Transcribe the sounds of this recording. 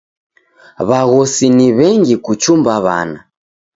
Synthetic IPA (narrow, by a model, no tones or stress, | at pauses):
βaɣɔsiniβɛŋɡikut͡ʃumbaβa̰ːna